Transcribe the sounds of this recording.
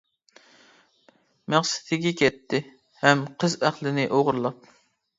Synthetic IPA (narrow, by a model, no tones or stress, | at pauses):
mæχsɪ̥t̪ʰɪɡʲɛkʲʰɛt̪ʰːɪ | hɛmqʰəzæχlˠɪnɪʔoʁʊɾlˠɑp̚